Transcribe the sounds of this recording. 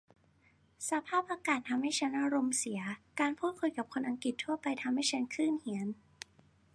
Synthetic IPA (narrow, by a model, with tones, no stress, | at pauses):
sa˧˦pʰaː˥˩p̚ʔaː˧kaː˨˩t̪ʰːa˧mha˥˩jt͡ɕʰa˦˥nʔa˧ɾo˧msi˩˦ɐkaː˧npʰuː˥˩t̪̚kʰu˧jka˨˩p̚kʰo˧nʔa˧ŋki˨˩t̪ʰːu˥˩ɐpa˧jt̪ʰa˧mha˥˩jt͡ɕʰa˦˥nkʰɯː˥˩nhi˩˦ən